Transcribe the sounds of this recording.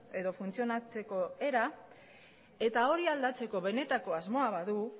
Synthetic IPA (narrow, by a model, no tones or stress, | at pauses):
e̞ðo̞funt͡sio̞nat͡se̞ko̞e̞ɾa | e̞t̪ao̞ɾiald̪at͡se̞ko̞βe̞ne̞t̪ako̞azmo̞aβaðu